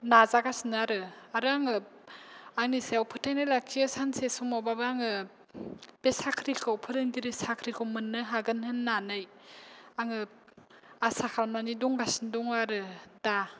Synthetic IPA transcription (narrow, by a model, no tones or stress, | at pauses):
nazaɡasnaɾɯaɾɯaŋɯ | aŋniseawpʰɯtʰajnajlakʰiɯsansesɔmawbabɯaŋɯ | b̥esakʰɾikʰɯwpʰɯɾɯŋɡiɾisakʰɾikʰɯwmɯnːɯɦaɡɯnhɯnːanɯj | aŋɯ | asakʰalmaniduŋɡasindɔŋaɾɯda